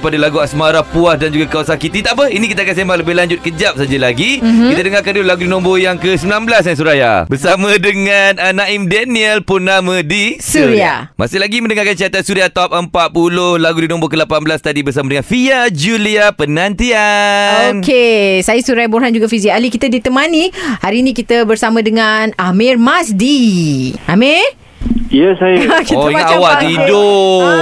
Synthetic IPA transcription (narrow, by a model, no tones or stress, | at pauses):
padalaɡuasmaɾapuahdand͡ʒuɡakawasakit̪it̪aʔpəinikit̪akansembaŋləbɪhlaɲd͡ʒʊt̪̚kəd͡ʒap̚sad͡ʒalaɡikit̪adəŋarkandullaɡudinɔ̃mbojaŋkəsəmilanbəlasɲas̬uɾaja̰bərsamãdəŋananaimdɛniəlpʊnːamãdisuɾia̰ma̰sɪhlaɡiməndəŋaɾkant͡ʃiat̪ansuɾiat̪ɔp̚ʔəmpat̪̚pulʊhlaɡudinɔ̃mbokəlapanblast̪adibərsamadəŋanfiad͡ʒuliapənãnt̪iaonkesajəsuɾajboɾɦand͡ʒuɡafiziaalikit̪adit̪əmanihaɾiːnĩkit̪əbərsamãdəŋanamɪrmasdi | ʔamir | ijəsajəkitɔəaaawaido